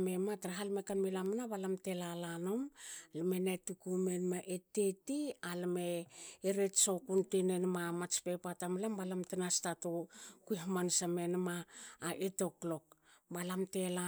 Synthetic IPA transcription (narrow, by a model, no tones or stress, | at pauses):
mematɾaɦalmekanmelamanaβalamtelalanomlmenetukumenmaʔetetialmeːɾetsokuntenenmamat͡ʃpepatamilambalamtinastatokuiɦmansamenmaːʔeto̞klo̞k̚balamte̞la